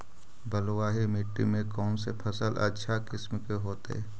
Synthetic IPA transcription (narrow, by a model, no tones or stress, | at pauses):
bəlwaːɦimɪʈːḭmẽkɔːnsepʰəsəlʔə̰tːʃʰakɪsmkeɦoːt̪ː